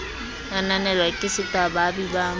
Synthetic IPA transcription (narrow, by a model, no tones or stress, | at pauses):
nananɛlwakʼɪsɪtʼababiba